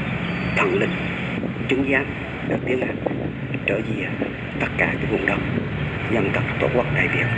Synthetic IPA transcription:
t̪ʰwə̰˧˨nlï˨˩ŋ̟̚ | t͡ɕɨ˨˦ŋzaː˨˦ŋ | ɗɨ˨ək̚t̪i˨˦əŋha̰˨˩ŋ | t͡ɕəː˧˩zḭ˧˩˨ | t̪ə˦˥t̚kaː˧˩kaː˨˦vʊ˨˩ŋ͡mɗə˨˩wŋ͡m̚ | ɲə˧nt̪ə˨˩p̚t̪o̰˧˥t̚kwk̚ɗaː˧˨˩jɓḭ˨˩əw̚

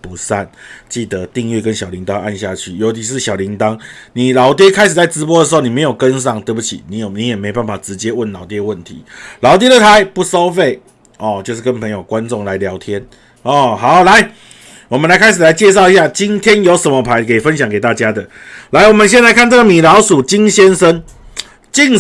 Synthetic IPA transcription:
pu˨˦sa˥˨nt͡ɕi˥˨˩d̪ə˩˦t̪i˥˧ŋɥɛ˥˩kə˦nɕjɑ˨˩ʊli˧˥ŋt̪ɑ˦ŋʔa̰˥˧nɕja̰˥˨t͡ɕʰy˥˩jo˧˥ʊt͡ɕʰi˧˥ʂ̬ɻ̩˥˩ɕjɑ˨˩ʊli˧˥ŋt̪ɑ˦˥ŋ | ni˨˩lɑ˨˥ʊt̪̬jɛ˥kʰa˥ɪʂɻ̩˨˩t͡sa˥˩ɪʈ͡ʂɻ̩˧˥p̬wɔ˥də˨ʂ̬̩˧˥o˥˩ʊni˨˩me˧˥ɪjo˨˩ʊkə˦ns̬ɑ˥˩ŋt̪wə˥˧ɪbu˧t͡ɕʰḭ˨˩ni˨˧˦jni˨˧˦jɛ˨˩me˧˥ɪ˧pa˥˩nfa˨˩ʈ͡ʂɻ̩˧˦t͡ɕjɛ˥wə˥˩nlɑ˨˩ʊt̪̬jɛ˥ə˧wə˥˩nt̪ʰḭ˨˦lɑ˨˥ʊt̪̬jɛ˥ɾə˨t̪ʰa˧˦ɪpu˥˩so˦˥ʊfe˥˩ɪ | ɔ˥˨t͡ɕjo˥˧ʊʂ̬ɻ̩˥˩kə˧˦npʰə˧˥ŋjo˨˩ʊkwa˦nʈ͡ʂʊ˥˩ŋla˨˧˦ɪljɑ˧˥ʊt̪ʰjɛ˦n | ɔ˥˩ha˨˦ʊla˧˦ɪ | wɔ˨˩mə˦nla˧˥ɪkʰa˥ɪʂ̬ɻ̩˨˩la˧˦ɪt͡ɕjɛ˥˧ʂ̬ɑ˥˧ʊi˧˥ɕja˥˩t͡ɕi˦˥nt̪ʰjɛ˦njo˧˥ʊsə˧˦nmə˧pʰa˧˥ɪkʰe˨˩i˨˩fə˦nɕjɑ˨˦ŋke˨˩t̪a˥˩t͡ɕja˥d̪ə˨la˧˥ɪwɔ˨˩mə˨˦nɕ̬jɛ˥˧nla˧˥ɪkʰa˥˧nt͡sə˥˩ɡə˨mi˨˩lɑ˨˧˥ʊʂu˨˩t͡ɕi˦˥ŋɕjɛ˥nʂə˦n | t͡ɕi˥˧ŋ

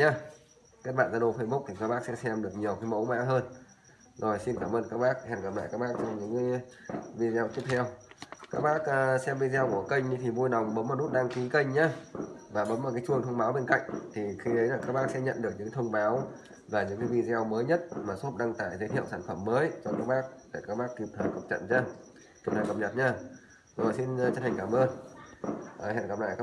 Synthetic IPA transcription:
ɲaː˧ | kaː˦˥k̚ɓa̰ː˧˨nzaː˧ɗo˧˩fə˧jɓʊ˦˥k͡p̚t̪ʰi˨˩kaː˦˥kɓaː˦˥k̚sɛ̰˧˥sɛ˧mɗɨ˨˩ək̚ɲi˨˩əwkaː˨˦jmə̰˧˥wma̰ː˧˥ɦəː˧n | zo˨˩jsi˧nkaː˧˩mʔəː˧nkaː˦˥k̚ɓaː˦˥k̚hɛ˧˩nkaː˧˩ɓa̰ː˧˨kaː˦˥k̚ɓaː˦˥k̚t͡ɕɔ˧ɲɨ̰˧˥ŋkːvi˧zwt̪i˦˥p̚t̪ʰɛ˧wkaː˦˥k̚ɓaː˦˥k̚ːsɛ˧mvi˧zɛ˧wku˧˩əkə˧jŋ̟ɗi˨˦t̪ʰi˨˩vu˧jna˨˩wŋ͡mɓə˨˦ma˨˩u˦˥t̚ɗaː˧ŋki˨˦kə˧jŋ̟ɲaː˧vaː˨˩ɓə˨˦ma˨˩kaː˨˦t͡ɕu˧˩əŋt̪ʰə˧wŋ͡mɓaː˨˦wɓe˧nka̰˧˨jŋ̟t̪ʰi˨˩xi˧ɗə˨˦jlaː˨˩kaː˦˥k̚ɓaː˦˥ksɛ̰˧˥ɲə̰˧˨nɗɨ˨˩ək̚ɲɨ̰˧˥˦t̪ʰə˧wŋ͡mɓaː˨˦w | vaː˨˩ɲɨ̰˧˥ŋkaː˨˦jvi˧zɛ˧wməː˨˦jɲə˦˥t̚maː˨˩so˦˥p̚ɗa˧ŋt̪aː˧˩jzə˨˦t̪ʰḭ˧˨ə˨wsaː˧˩nfə˧˩mːəː˨˦jt͡ɕɔ˧kaː˦˥k̚ɓaː˦˥k̚la̰ː˧˩kaː˦˥k̚ɓaː˦˥kːi˧˩p̚t̪ʰə˨˦jkə˨˩p̚t͡ɕə̰˧˨nɲaː˧ | k̪i˧˩t̪ʰəː˨˦jkə˨˩ɲə˨˩t̚ɲaː˧ | zə˧˩za˨˩jsi˧n˧t͡ɕə˦˥tʰa˨˩ŋ̟kaː˧˩mʔəː˧nː˨˩ | hɛ̰˧˨nkə˨˩p̚la̰ː˧˨jka˦

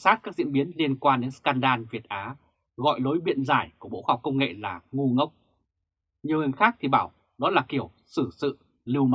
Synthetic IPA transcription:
saː˦˥t̚kaː˦˥k̚zḭ˧˥ənɓi˨˦ənli˧ənkwaː˧nɗe˨˦nskaː˧nɗaː˧nvi˨˩ət̚ʔaː˨˦ | ɣɔ̰˧˨jlo˨˦jɓḭ˧˨ənzaː˧˩jku˧˩əɓo̰˧˥ha˨˩wk͡p̚kə˧wŋ͡mŋḛ˧˨laː˨˩ŋu˧ŋə˦˥wk͡p̚ | ɲi˨˩əwŋi˨˩ŋxaː˦˥k̚t̪ʰi˨˩ɓaː˧˩w | ɗɔ˨˦laː˨˩ki˧˩əw | sɨ˧˩sɨ̰˧˨ | lɨ˧wm˦

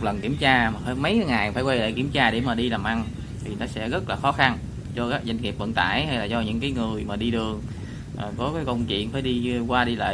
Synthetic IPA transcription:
lə˨˩nki˧˩əmt͡ɕaː˧maː˨˩faː˧˩jmə˨˦jkːjŋaː˨˩jfaː˧˩jkwe˧ɗə̰ː˧˨jki˧˩əmt͡ɕaː˧ɗe˧˩maː˨˩ɗi˧laː˨˩mʔa˧ŋ | t̪ʰi˨˩nɔ˨˦sɛ̰˧˥ɣə˦˥t̚laː˨˩xɔ˨˦xa˧n | zɔ˧kaː˦˥k̚za˧jŋ̟ŋi˨˩p̚və̰˧˨nt̪a̰ː˧˩˨jha˧jlaː˨˩zɔ˧ɲɨ̰˧˥ŋkaː˨˦jŋɨ˨˩əjmaː˨˩ɗi˧ɗɨ˨˩əŋ | ʔəː˨˩kɔ˨˦kaː˨˦jkə˧wŋ͡mt͡ɕwḭ˧˨ənfaː˧˩˦jɗi˧kwaː˧ɗi˧lə̰ː˧˨

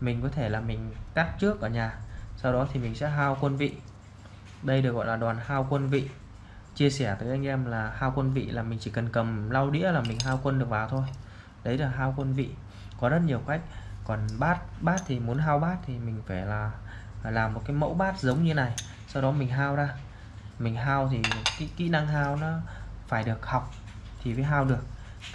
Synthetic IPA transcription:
mi˨˩ŋ̟kɔ˨˦t̪ʰe˧˩laː˨˩mï˨˩ŋ̟ka˦˥t̚t͡ɕɨ˦˥ək̚ʔəː˧˩ɲaː˨˩sa˧wɗɔ˨˦t̪ʰi˨˩mï˨˩ŋ̟sɛ̰˧˥ɦaː˧wkwə˧nvḭ˧˨ | ɗə˧jɗɨ˨˩ək̚ɣɔ̰˧˨laː˨˩ɗwaː˨˩nhaː˧wkwə˧nvḭ˧˨ | t͡ɕi˧əsɛ˧˩ət̪əː˨˦jʔa˧jŋ̟ʔɛ˧mlaː˨˩haː˧wkə˧nvḭ˧˨laː˨˩mï˨˩ŋ̟t͡ɕi˧˩kə˨˩nkə˨˩mla˧wɗḭ˧˥əlaː˨˩mï˨˩ŋ̟ɦaː˧wkwə˧nɗɨ˨˩ək̚ɓaː˨˩wt̪ʰo˧j | ɗə˨˦jlaː˨˩ɦaː˧wkwə˧nvḭ˧˨ | kɔ˨˦zə˦˥t̚ɲi˨˩əwka˦˥jk̟̚kɔ˨˩nɓaː˦˥t̚ɓaː˦˥t̚t̪ʰi˨˩mu˨˦ənɦaː˧wɓaː˦˥t̚t̪ʰi˨˩mï˨˩ŋ̟faː˧˩jlaː˨˩ | laː˨˩mːo˨˩t̚kaː˨˦jmə̰˧˥wɓaː˦˥t̚zə˨˦wŋ͡mɲɨ˧na˨˩j | sa˧wɗɔ˨˦mï˨˩ŋ̟ɦaː˧wzaː˧ | mï˨˩ŋ̟ɦaː˧wt̪ʰi˨˩˨kḭ˧˦kḭ˧˥na˧ŋɦaː˧wnɔ˨˦faː˧˩jɗɨ˨˩ək̚ha˨˩wk͡p̚ | t̪ʰi˨˩vəː˨˦jɦaː˧wɗɨ˨˩ək̚

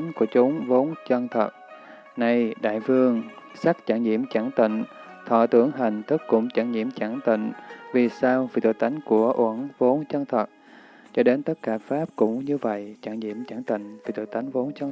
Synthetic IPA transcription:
nku˧˩ət͡ɕʊ˨˦ŋ͡mvo˨˦nt͡ɕə˧ŋt̪ʰə˨˩t̚ | na˧jɗa̰ː˧˨jfɨ˧əŋ | sa˦˥k̚t͡ɕa˧˩ŋɲḭ˧˨əmt͡ɕa˧˩ŋt̪ḭ˧˨ŋ̟ | t̪ʰɔ̰˧˨t̪ɨ˧˩əŋɦi˨˩jŋ̟t̪ʰɨ˦˥kkʊ̰˧˥ŋ͡mt͡ɕa˧˩ŋɲḭ˧˩˨əmt͡ɕa˧˩ŋt̪ḭ̈˧˨ŋ̟vi˨˩saː˧wvi˧˩t̪ṵ˧˨˩jt̪a˨˦jŋ̟ku˧˩əʔwə˧˩nvo˨˦nt͡ɕə˧ŋt̪ʰə˨˩t̚ | t͡ɕɔ˧ɗe˨˦nt̪ə˦˥t̚kaː˧˩faː˦˥p̚kʊ̰˧˥ŋ͡mɲɨ˧və̰˧˨jt͡ɕaː˧˩ŋɲḭ˧˨əmt͡ɕa˧˩ŋt̪ḭ˧˨ŋ̟vi˧˩t̪ṵ˧˨jt̪a˨˦jŋ̟vo˨˦nt͡ɕə˧

